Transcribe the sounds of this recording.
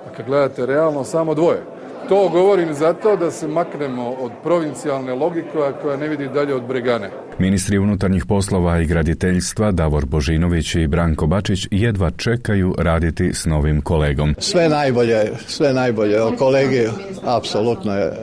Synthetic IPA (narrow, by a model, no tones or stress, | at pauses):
akad̪̚ɡled̪at̪e̞ɾealˠnosaːmo̞d̪ʋo̞je | t̪oːɡo̞ʋoɾimzat̪o̞ːd̪asemaknemo̞od̪pɾo̞ʋint̪sijalˠnelˠo̞ɡikeko̞janeʋid̪id̪aʎeod̪bɾeɡane | minist̪ɾiunut̪aɾɲixpo̞slˠo̞ʋaiɡɾad̪it̪eʎst̪ʋad̪aʋo̞ɾbo̞ʒiːno̞ʋit͡ɕibɾaːŋko̞bat͡ʃit͡ɕjed̪ʋat͡ʃe̞kajuɾaːd̪it̪isno̞ʋimko̞le̞ːɡo̞msʋenajboʎesʋenajboʎeokoleːɡi | apsolut̪nojḛ